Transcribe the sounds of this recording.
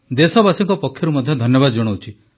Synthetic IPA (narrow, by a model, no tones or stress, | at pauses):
d̪esɔbasiŋkɔpɔkʰːjɔɾumɔd̪ʱjɔd̪ʱɔnjɔbad̪ɔd͡ʒɔɽ̃out͡ʃʰi